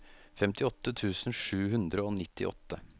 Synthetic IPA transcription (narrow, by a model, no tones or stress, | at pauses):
fɛmt̪ɪɔt̪ːət̪ʰʉːsn̩ʂʉːɦʉnd̪ɾəoːnɪt̪ːɪ̰ʔɔ̰t̪ːə